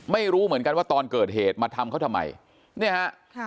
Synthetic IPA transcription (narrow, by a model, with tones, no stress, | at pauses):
ma˥˩jɾuː˦˥mɯ˩˦ə˦nka˧nwaː˥˩t̪ɔː˧nkɤː˨˩t̪̚heː˨˩t̪̚maː˧t̪ʰa˧mkʰa˦˥wt̪ʰa˧mːa̰˧j | ni˥˩ɐha˦˥ʔ